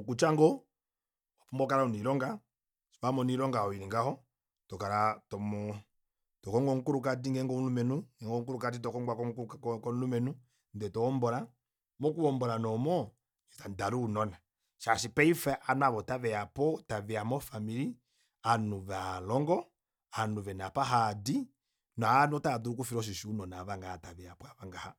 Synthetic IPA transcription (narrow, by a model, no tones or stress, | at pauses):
ɔkut͡ʃaŋɡɔ | ɔfɔmbɔkaɾaɔniɾɔŋɡa | smamɔniɾɔŋɡaɔiɾiŋɡahɔ | tɔkaɾatɔmɔ | tɔkɔŋɡɔŋ̩kuɾuk̬at̬iŋɡɛŋɡɔulumɛnuŋɡɛŋɡɔŋ̩kuɾukat̬itɔkɔŋɡwakɔŋkukɔnlumɛnu | ndɛtɔɔmbɔɾa | mɔkuβɔmbɔɾanɔmɔ | ɛtandaɾuːnɔna | ʃaʃipɛifɛʔanaβɔtaβɛapɔtavɛamɔfamiɾi | anuβalɔŋɡɔ | anuʋɛnapaɦadi | nɔanɔtaðuɾuk̬ufiɾɔʃ̬iʃiunɔnaβaŋɡahataβɛapaβaŋɡaha